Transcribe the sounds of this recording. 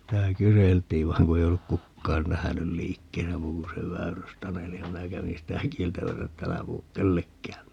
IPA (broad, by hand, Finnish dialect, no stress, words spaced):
sitæ kyseltiːn ʋɑi̯ŋ ku ei olːuk kukːɑːn næhænyl liːkːeːsæ muː ku se ʋæyrystɑneli jɑ minæ kæʋin̞ sitæ kieltæmæsæ et t ælæ puhuk kelːekːæːm